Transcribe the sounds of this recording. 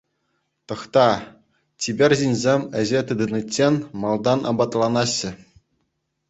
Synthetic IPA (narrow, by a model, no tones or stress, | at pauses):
t̪ɤ̆χt̪ɑ | tʲibʲerʲʑinʲzʲemʲɘ̆ʑet̪ɯd̪ɯnɯtʲːenʲmɑlˠd̪ɑnɑ̰bɑt̪lˠɑnɑɕːɘ̆